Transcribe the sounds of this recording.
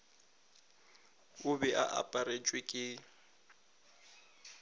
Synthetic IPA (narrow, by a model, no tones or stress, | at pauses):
ʊbɛʔa̰ʔa̰pʼaɾet͡ʃʼwɪkʼɪ